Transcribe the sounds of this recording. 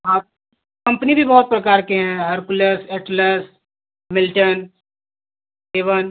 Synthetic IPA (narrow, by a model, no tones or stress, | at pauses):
ɦa | kɐ̃mpnibʱibɐɦʊt̪̚pɾɐkaːɾkeɦɛ̃ɦɐɾkʊlesɛːʈləs | mɪlʈən | eːʋən